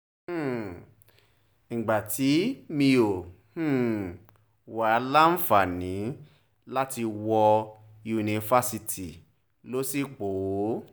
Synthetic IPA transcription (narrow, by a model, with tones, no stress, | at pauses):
n̩˨ɡ͡ba˨tʰi˨˦mĩ˧o˨ | h̩˦˨ | wa˨˧˦la˦n̩˦fa˨nĩ˨˦ | la˦ti˧wɔ˧ | ju˧nĩ˧fa˦si˧tʰi˨ | lo˦si˦k͡po˨˦